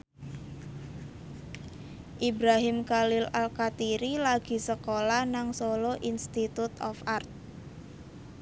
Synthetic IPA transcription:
ʔibɾaɦɪmkalɪlalkat̪iɾilaɡ̥i̤səkolanaŋsoloʔinst̪it̪ut̪ɔfart̪̚

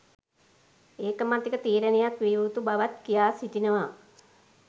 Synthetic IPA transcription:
eːkəmat̪ikət̪iːɾənejakʋiut̪ubaʋat̪kijaːsitinəʋa

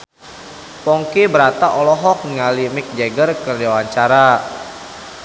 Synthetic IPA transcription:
pɔŋkebəɾat̪aʔɔlɔɦɔk̚ŋalimɪk̚d͡ʒɛɡərkərdaawaɲt͡ʃaɾa

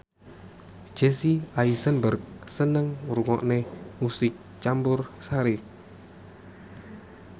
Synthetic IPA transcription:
d͡ʒesiaisənbərk̚sənəŋuɾuŋɔ̰ʔnemusɪk̚ | t͡ʃambʊrsaɾi

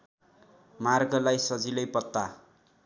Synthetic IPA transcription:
marɡʌlajsʌd͡zilʌjpʌt̪ːa

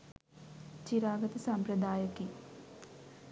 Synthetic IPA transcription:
t͡ɕiɾaːɡɐt̪ɐsɐmpɾɐd̪aːjɐki

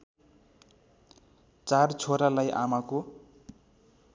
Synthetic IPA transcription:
t͡sart͡sʰoɾalajʔa̰mako

